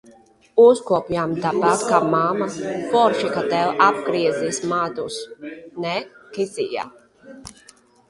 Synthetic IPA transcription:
uzkuɔpjamd̪abat̪kaːmamapɔɾʃikat̪ɛwab̚ɡɾiɛzismaːd̪usnɛkizija̰ː

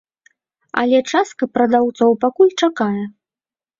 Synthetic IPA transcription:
ɐ̰lʲɛt͡ʂast̪kɐpɾɐd̪awt̪sɔwpakulʲt͡ʂakajɛ

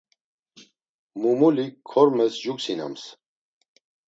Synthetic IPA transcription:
mumulikʰːɔɾmɛsʒuksina̰ms

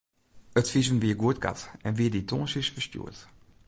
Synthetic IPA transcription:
ətfizənʋiːəɡuət̚ɡa̰tɛnʋiːditɔ̰ːnsisfəstjṵːət

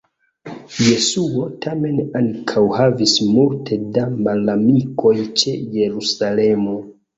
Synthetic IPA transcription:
je̞suotʰame̞nankʰawhavismultʰe̞damalamiko̞jt͡ʃe̞je̞ɾusale̞mo

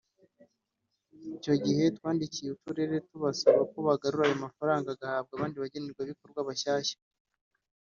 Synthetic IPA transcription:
ico̞ɟihe̞twaːndicijeutuɾe̞ɾe̞tuβasaβakoβaɡaɾuɾajomafaɾaːŋɡaɡahaːb̚ɡaβaːndiβaɟeneɾɡwaβiko̞ɾɡwaβaʃaːʃḁ

